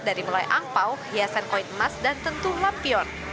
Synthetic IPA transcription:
daɾimulajʔampawhiasankɔit̪masdant̪ənt̪uhlapiɔn

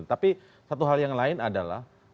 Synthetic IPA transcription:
nt̪api | sat̪uɦaljaŋlaɪnadala̰h

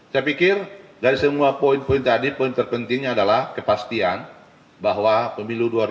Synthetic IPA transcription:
sapikɪrdaɾisəmuapoinpoint̪adipoint̪ərpənt̪ɪŋɲaːdalahkəpast̪ian | baɦwapəmiluduaɾ

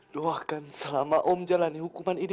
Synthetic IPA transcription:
doakansəlamaʔɔmd͡ʒalaniɦukumanini

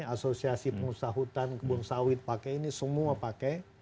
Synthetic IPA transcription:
asosiasipəŋusaɦut̪ankəbunsawɪt̪̚pakɛinisəmuapakɛ

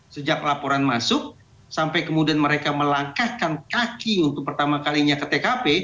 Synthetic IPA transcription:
səd͡ʒak̚lapoɾanmasʊk̚ | sampajkəmudianməɾekaməlaŋkahkankakiunt̪ʊk̚pərt̪amakaliɲakət̪ekape

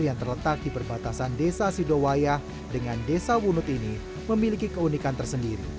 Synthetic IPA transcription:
rjaŋt̪ərlət̪ak̚dipərbat̪asandesasidowajah | dəŋandesawunʊt̪ini | məmilikikəunikant̪ərsəndiɾḭ

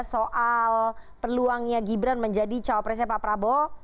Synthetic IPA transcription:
soʔalpərluaŋɲaɡibɾanməɲd͡ʒadit͡ʃawapɾɛs̬ɛpapɾabo

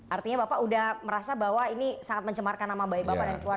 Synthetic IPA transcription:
art̪iɲabapaudahməɾasabaɦwainisaŋat̪̚məɲt͡ʃəmarkanːamabajbapadankluar

